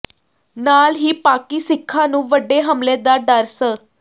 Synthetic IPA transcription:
nalɦiːpakiːsikʰːanũːʋəɖːeɦəmled̪aɖaɾsə

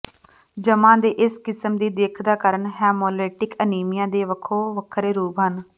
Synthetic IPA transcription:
d͡ʒəmãːd̪eːʔɪskɪsəmd̪iːd̪eːkʰd̪aːkəɾəɳɦɛːmoːleːʈɪkəniːmɪjãːd̪eːʋəkʰoːʋəkʰɾeːɾuːbɦən

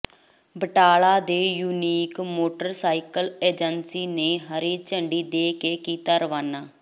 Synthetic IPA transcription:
bəʈaːlaːd̪eːjuːniːkmoːʈəɾsaːɪkəleːd͡ʒənsiːneːɦəɾiːt͡ʃəɳɖiːd̪eːkeːkiːt̪aːɾəʋaːnaː

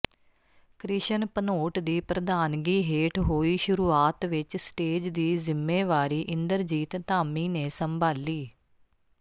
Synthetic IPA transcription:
kɾɪʃənpənoːʈd̪iːpɾəd̪aːnɡiːɦeːʈɦoːiːʃʊɾuːaːt̪ʋɪt͡ʃsʈeːd͡ʒd̪iːzɪmːeːʋaːɾiːʔɪ̃nd̪əɾd͡ʒiːt̪t̪aːmiːneːsəmbaːliː

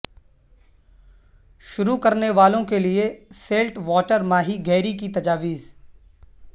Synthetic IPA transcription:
ʃʊɾukɐɾneʋaːlõkelieseːlʈʋɔːʈəɾmaːɦiɡɛːɾikit̪ɐd͡ʒaːʋiːz

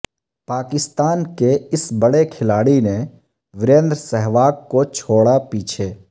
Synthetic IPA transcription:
paːkɪst̪aːnkeɪsbəɽekʰɪlaːɽinẽ | ʋɪɾẽːnd̪ɾəsɛɦʋaːkkːot͡ʃʰoːɽapiːt͡ʃʰeː

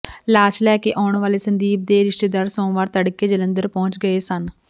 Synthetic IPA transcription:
laːt͡ʃlɛːkeːʔaːʊɳʋaːleːsənd̪iːb̚d̪eːɾɪʃʈeːd̪əɾsõːʋaːɾt̪əɽkeːd͡ʒələ̃nd̪əɾpɔ̃ːt͡ʃɡəeːsən

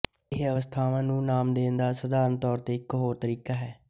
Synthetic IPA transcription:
ɪɦəʋəst̪ʰaːʋãːnũːnaːmd̪eːnd̪aːsəd̪aːɾənt̪ɔːɾt̪eːɪkɦoːɾt̪əɾiːkaːɦɛː

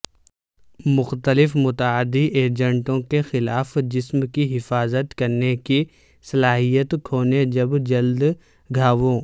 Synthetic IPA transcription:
mʊxt̪əlɪfmʊt̪əəd̪iʔeːɾd͡ʒə̃ɳʈõkexɪlaːfd͡ʒɪsmkiɦɪfaːzət̪kɐɾneki | sɐlaːɦijət̪kʰoːned͡ʒɐbd͡ʒɐld̪ | ɡʱaːʋõː

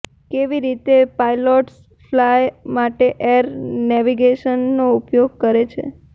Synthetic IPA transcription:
keʋiɾit̪epajlɔʈs | flajmaʈeʔeɾnɛʋiɡeʃənːoupjoɡ̚kəɾet͡ʃʰḛ

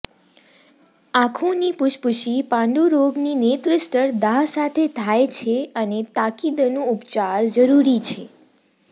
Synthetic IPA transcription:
akʰũnipʊʃpuʃipãɳɖuɾoɡninet̪ɾɪsʈəɾd̪aɦsat̪ʰet̪ʰajt͡ʃʰeənet̪akid̪nũupt͡ʃaɾd͡ʒəɾuɾit͡ʃʰe

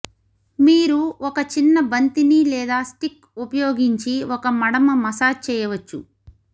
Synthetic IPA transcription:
miːɾuɔkɐt͡ʃinːɐbɐnt̪inilɛːd̪aːsʈik | upɐjoːɡiɲt͡ʃiɔkɐmɐɽɐmɐmɐsaːt͡ʃɛːjɐʋɐt͡ʃːṵ

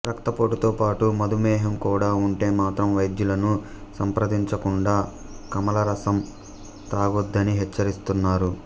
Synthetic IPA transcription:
ɾɐkt̪ɐpoːʈut̪oːpaːʈumɐd̪umɛːɦɐmkuːɽaːuɳʈe̞ːmaːt̪ɾɐmʋɐjd̪julɐnu | sɐmpɾɐd̪iɲt͡ʃɐkuɳɖaː | kɐmɐlɐɾɐsɐm | t̪aːɡud̪ːɐniɦɛt͡ʃːɐɾist̪unːaːɾu

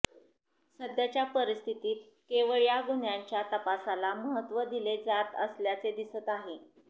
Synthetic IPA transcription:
səd̪jat͡ɕjapəɾist̪ʰit̪iːt̪ | keʋəɭjaɡuɳjaɲt͡ɕjat̪əpasalaməɦət̪ʋəd̪iled͡zat̪ə̰sljat͡sed̪isət̪aɦe

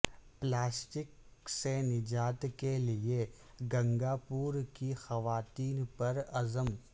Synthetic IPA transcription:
plaːsʈɪksenɪd͡ʒaːt̪kelie | ɡɐ̃ŋɡaːpuːɾkixɐʋaːt̪iːnpɐɾɐzəm

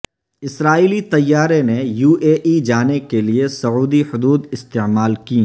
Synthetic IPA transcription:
ɪsɾaːiːlit̪ɐjːaːɾenejuːʔeːʔid͡ʒaːnekeliesɐuːd̪ihʊd̪uːd̪ɪst̪emaːlki

